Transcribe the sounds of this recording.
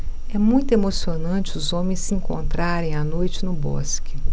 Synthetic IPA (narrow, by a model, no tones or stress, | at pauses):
ɛmũj̃t̪ʊemosionɐ̃t͡ʃɪʊzõmẽj̃sɪĩŋkõ̰nt̪ɾaɾẽj̃anojt͡ʃɪnʊbɔ̰skɪ̥